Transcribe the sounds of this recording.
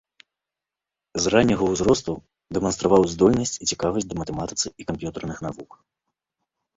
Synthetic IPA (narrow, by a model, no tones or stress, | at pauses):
zranʲːɐɣɐwzɾɔst̪u | d̪ɛmɐnst̪ɾavawzd̪ɔlʲnɐsʲt͡sʲit͡sʲikavɐsʲd̪ɐmɐt̪ɛmat̪ɨ̥t̪sɨikampʲjut̪ɛrnɨxnavuk